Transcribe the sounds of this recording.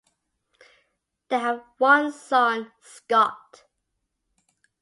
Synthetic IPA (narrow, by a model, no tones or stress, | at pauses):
ðeɪəvwʌ̃nsʌ̃n | skɔt